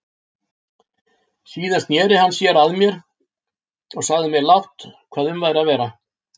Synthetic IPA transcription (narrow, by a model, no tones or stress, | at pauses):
siːðanst̪njɛːɾɪɦanːsjɛɾaðmjɛɾ̥ | ɔɣsaɣðɪmjɛɾlawht̪kʰvaːðʏmvaːjɾaðvɛːɾa